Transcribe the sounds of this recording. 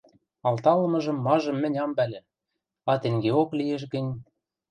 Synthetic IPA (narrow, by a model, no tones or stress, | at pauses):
ɑlt̪ɑlɤ̆mɤ̆ʒɤ̆mːɑʒɤ̆mːɘ̆nʲɑmbælʲĕ | ɑt̪ĕŋɡeoklijeʃ̬ɡɘ̆nʲ